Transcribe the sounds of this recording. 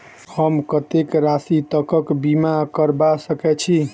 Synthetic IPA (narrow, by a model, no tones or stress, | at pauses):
həmkət̪ekɾasit̪əkəkbimakəɾbasəkɛt͡ʃʰi